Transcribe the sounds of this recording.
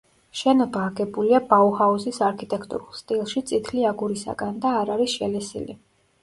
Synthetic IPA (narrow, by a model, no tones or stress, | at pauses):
ʃɛnɔbaːɡɛbuliabauhauzisaɾkʰit̪ʼɛkʰt̪ʼṵɾulˠst̪ʼilˠʃit̪sʼit̪ʰliaɡuɾisa̰ɡand̪aːɾaɾisʃɛlɛsḭlḭ